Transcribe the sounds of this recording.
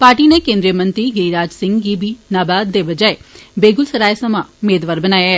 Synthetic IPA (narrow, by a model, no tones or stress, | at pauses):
paːɾʈiːneːkẽːnd̪ɾijəmə̃nt̪ɾiːɡɪɾiːɾaːd͡ʒsɪ̃ŋɡɡibiːnaːbaːd̪̚d̪eːbəd͡ʒaːebeːɡʊlsəɾaːesəmaːʊmeːd̪ʋaːɾbənaːjaɦɛː